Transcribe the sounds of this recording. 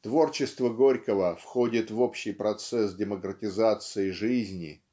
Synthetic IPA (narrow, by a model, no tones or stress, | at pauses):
t̪vo̞rt͡ɕɪst̪vəɡo̞ɾʲkəvəfxo̞dʲɪt̪vo̞pɕːɪjpɾɐt̪sɛs̬dʲɪməkɾətʲɪzat̪sɨɪʐɨzʲnʲɪ̰